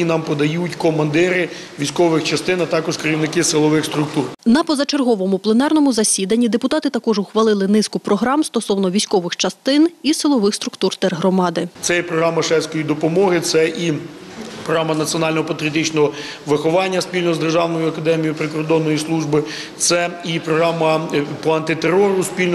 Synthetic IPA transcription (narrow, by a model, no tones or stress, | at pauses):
nɑmpɔd̪ɐjutʲkɔmɐnd̪ɪɾɪ | ʋʲijsʲkɔʋɪxt͡ʃɐst̪ɪnɐt̪ɑkɔʒkeɾʲiwnɪkɪsɪlˠɔʋɪxst̪ɾʊk̚t̪urnɐpɔzɐt͡ʃerɦɔʋɔmʊplˠenɑrnɔmʊzɐsʲid̪ɐnʲːid̪epʊt̪ɑt̪ɪt̪ɐkɔʒʊxʋɐlˠɪlˠɪnɪskʊpɾɔɦɾɑmst̪ɔsɔwnɔʋʲijsʲkɔʋɪxt͡ʃɐst̪ɪnisɪlˠɔʋɪxst̪ɾʊkt̪urt̪ɛrɦɾɔmɑd̪ɪt̪sɛjɛpɾɔɦɾɑmɐʃɛsʲkɔjid̪ɔpɔmɔɦɪt̪sɛʔi | pɾɔɦamɐnɐt͡sʲiɔnɑlʲnɔɦɔpɐt̪ɾʲiɐt̪̬ɪt͡ʃnɔɦɔ | ʋɪxɔʋɑnʲːɐspʲilʲnɔzd̪erʒɑwnɔjʊɐkɐd̪ɛmʲijipɾɪkɔrd̪ɔnːɔjislˠuʒbɪ | t̪sɛipɾɔɦɾɑmɐpɔɐnt̪ɪt̪eɾːɔɾʊspʲilʲn